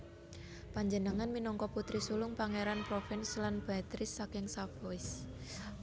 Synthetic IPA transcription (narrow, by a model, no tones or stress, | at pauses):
paɲd͡ʒənəŋanminɔŋkɔput̪ɾisulʊŋpaŋeɾanpɾofɪnslanb̥a̤t̪ɾɪsːakɪŋsab̥oɪs